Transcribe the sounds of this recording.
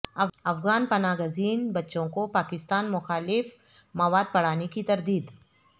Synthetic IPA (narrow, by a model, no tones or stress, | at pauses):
ɐɐfɣaːnpɐnaːɡəziːnbɐtːʃõkopaːkɪst̪aːnmʊxaːlɪf | mɐʋaːd̪̚pɐɽ̤aːnekit̪ɐɾd̪iːd̪